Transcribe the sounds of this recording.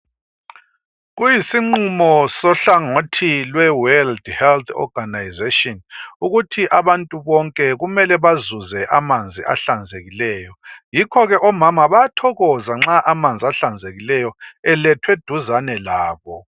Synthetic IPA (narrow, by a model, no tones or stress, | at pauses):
ɣujisiŋ͡ǃumɔsɔɬaŋotʰilwɛwɛldhɛlt̪ʰɔ̰ɡ̥ʱanajzetʼiɔnuɣutʰiʔaβantʼuβɔŋkʼɛɣumɛlɛβazuzɛʔamand͡zʱiʔa̰ɬand͡zʱeɣilɛːjɔjikʰɔɣɛʔɔmamaβajatʰɔɣɔzaŋ͡ǁaʔamand͡zʱiaɬand͡zʱeɣilɛjɔɛlɛtʰwed̥ʱuzanɛlaːβɔ